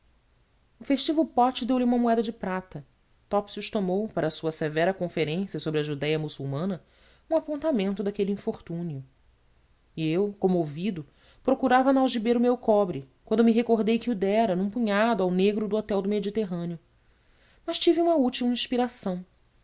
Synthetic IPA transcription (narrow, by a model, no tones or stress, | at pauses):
ʊfeʃt͡ʃivɐwpɔt͡ʃɪd̪ewlɪũmɐmuɛd̪ɐd͡ʒɪpɾat̪ɐ | t̪ɔpsuʃt̪omowpaɾɐsuɐsevɛɾɐkõfeɾẽsiɐsobɾɪɐʒud̪ɛjɐmusuwmɐ̃nɐ | ũapõnt̪amẽnt̪ʊd̪akeliĩfoχt̪ũniʊ | iewkõmʊovid̪ʊ | pɾokuɾavɐnawʒibeɾʊmewkɔbɾɪkwɐ̃nd̪ʊmɪɦekoɦd̪ejkɪud̪ɛɾɐnũpuɲad̪ʊawneɡɾʊd̪ʊɔt̪ɛwd̪ʊmed͡ʒit̪eɦɐ̃njʊ | mɐʃt͡ʃiviũmɐut͡ʃiwĩʃpiɾasɐ̃w̃